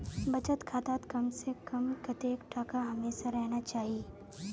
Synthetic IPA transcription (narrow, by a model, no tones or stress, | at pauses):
bɐt͡ʃət̪kʰaːt̪aːt̪kɐmsekɐmkɐt̪eːkʈʰaːkaɦɐmeːsaɾɛɦnat͡ʃaːɦieː